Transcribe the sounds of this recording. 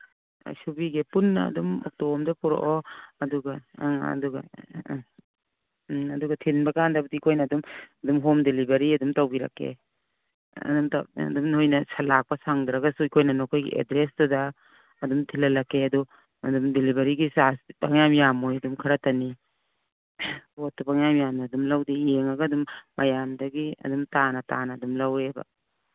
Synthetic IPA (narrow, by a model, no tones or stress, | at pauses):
subiɡepunːɐ̰dumɔ̰k̚tomdɐpɔɾo̰ʔɔɐduɡɐ̰duɡɐ̰ | ɐduɡɐtʰinbɐkandɐbɐdiːkʰojnɐːdumdumɦomdelibɐɾiɐdumtawbiɾa̰kːḛ | dumta̰dumhojnɐsɐlak̚pɐsaŋdɾɐɡasuikʰojnɐnokʰojɡḭʔḛdɾesdadɐː | dumtʰilɐlɐkːeɐdu | ɐdumdelibɐɾiɡisaspa̰ŋjamjamojɐdumkʰɐɾɐtɐni | botːubaŋjamjamnɐːdumlawdijeŋɐɡaːdumːɐjamdɐɡiɐ̰dumtanɐta̰nɐːdumlawebɐ̰